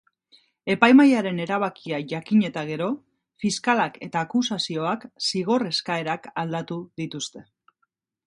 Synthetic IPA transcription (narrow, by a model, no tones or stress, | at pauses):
e̞pajmajaɾe̞ne̞ɾaβ̞akiaʝakiɲe̞t̪aɣ̞e̞ɾo̞ | fiskalake̞t̪aːkusasio̞aksiɣ̞o̞re̞skae̞ɾakald̪at̪uðit̪ust̪e̞